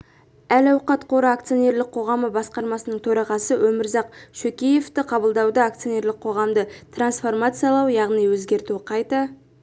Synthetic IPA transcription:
ælɑwqɑt̪qʰo̞ɾɑak̚t̪sijo̞ne̞rlɪk̚qʰo̞ʁɑməbɑsqɑɾmɑsənəɴt̪ʰɵɾɑʁɑsəwʔɵmɪɾzɑq̚ʃɵkʲeje̞ft̪ɪqʰɑbəlˠd̪ɑwd̪əak̚t̪sijo̞nʲe̞rlɪk̚qʰo̞ʁɑmd̪ət̪ʰransfo̞rmat̪sɨjɑlˠɑwjɑʁnijwɵzɡʲe̞ɾt̪uɪqʰɑjt̪ə

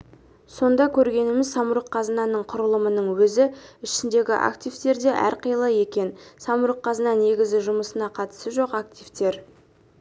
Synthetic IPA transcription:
so̞nd̪ɑkʲʰɵɾɡʲe̞nɪmɪzsɑmʊɾəqʰːɑzənɑnəɴqʰʊɾəlˠəmənəɴwɵzɪɪʃɪnd̪e̞ɡʲɪʔa̰kt̪ijvt̪e̞ɾd̪e̞ʔæ̰ɾqʰəjlˠɑje̞kʲe̞nsɑmuɾəqʰːɑzənɑne̞ɡʲɪzɪʒʊməsənɑqʰɑt̪ə̥səʒo̞qak̚t̪ʲijvt̪e̞ɾ

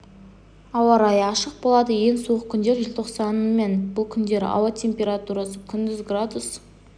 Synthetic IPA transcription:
ɑwɑɾɑjɑʃəq̚bolˠɑd̪əje̞ŋsoʁəkʲʰʏnd̪e̞ɾʒɪlʲt̪ʰo̞qsɑnme̞nbʊlˠkʲʰʏnd̪e̞ɾɑ̰wɑt̪ʲʰe̞mpʲe̞ɾat̪uɾasəkʲʰʏnd̪ɪzɡrad̪us

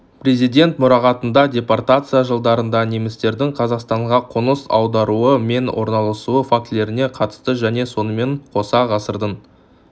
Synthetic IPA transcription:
prʲe̞zijdʲe̞nt̪mʊɾɑʁɑt̪ənd̪ɑdʲe̞part̪at̪sɨjaʒəlˠd̪ɑɾənd̪ɑnemɪst̪e̞ɾd̪ɪŋqʰɑzɑqst̪ɑɴʁɑqʰənəsɑ̰wd̪ɑɾuəme̞nwʔo̞ɾnɑlˠəsuəfak̚t̪le̞ɾɪne̞qʰɑt̪ə̥st̪əʒæne̞so̞nəme̞ɴqʰo̞sɑʁɑsəɾd̪ən

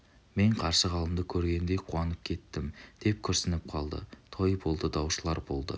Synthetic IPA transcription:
me̞ɴqʰɑɾsəʁɑlˠəmd̪əkʲʰɵɾɡʲe̞nd̪e̞jqʰuɑnəp̚kʲʰe̞t̪ːɪmd̪̥e̞p̚kʲʰɵɾsɪnɪp̚qʰɑlˠd̪ə̰t̪ʰo̞jbo̞lˠd̪əd̪ɑwʃəlˠɑɾbo̞lˠd̪ə̰

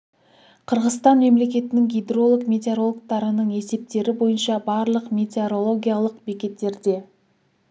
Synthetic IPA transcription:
qʰəɾʁəzt̪ɑnme̞mle̞k̬ʲe̞t̪ɪnɪŋɡʲijd̪ro̞lˠəkmʲe̞t̪eoɾo̞lˠkt̪ɑɾənəɴe̞se̞p̚t̪e̞ɾɪbo̞jənʃɑbɑɾlˠəqmʲe̞t̪eoɾo̞lˠo̞ɡʲijalˠəqbekʲe̞t̪ːe̞ɾd̪e̞

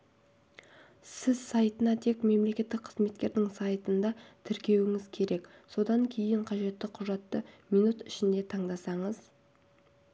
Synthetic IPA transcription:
sɪzsajt̪ənɑt̪ʰe̞kme̞mle̞kʲe̞t̪ːɪkqʰːəzme̞t̪̚kʲe̞ɾd̪ɪŋsɑjt̪ənd̪ɑt̪ʰɪɾkʲe̞wɪŋɪzkʲʰe̞ɾe̞kso̞d̪ɑŋkʲʰe̞jɪɴqʰɑʒe̞t̪ːɪqʰʊʒɑt̪ːəmijnut̪ɪʃɪnd̪e̞t̪ʰɑɴd̪ɑsɑɴəz̥

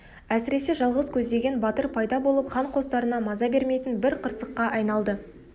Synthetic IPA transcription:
æsɪɾe̞se̞ʒɑlˠʁəzkʲʰɵzd̪e̞ɡʲe̞nbɑt̪əɾpʰɑjd̪ɑbo̞lˠəpχɑɴqʰo̞st̪ɑɾənɑmɑzɑbe̞ɾme̞jt̪ɪnbɪɾqʰəɾsəqːɑʔɑjnɑlˠd̪ə

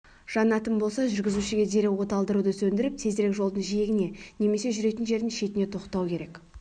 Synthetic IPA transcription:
ʒ̥ɑnɑt̪əmbo̞lˠsɑʒʏɾɡʲɪzuʃɪɡʲe̞d̪e̞ɾewwo̞t̪ɑlˠd̪əɾud̪əsɵnd̪ɪɾɪp̚t̪ʰezd̪ɾekʒo̞lˠd̪əɴʒijeɡʲɪne̞ne̞me̞se̞ʒʏɾe̞jt̪ɪnʒe̞ɾd̪ɪŋʃe̞t̪ɪne̞t̪ʰo̞qt̪ɑwkʲʰe̞ɾe̞k

